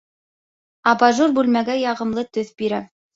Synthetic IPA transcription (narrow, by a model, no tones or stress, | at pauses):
ɑbɑʒurbʉlmæɡæjɑʁɤ̆mlˠɤt̪ɵθbiɾæ